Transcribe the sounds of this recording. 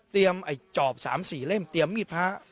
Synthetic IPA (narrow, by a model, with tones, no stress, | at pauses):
t̪i˧əmʔa˨˩jt͡ɕɔː˨˩p̚sa̰ː˩˦msiː˨˩le˥˩mt̪i˧˩əmi˧˩t̚pʰaː˦˥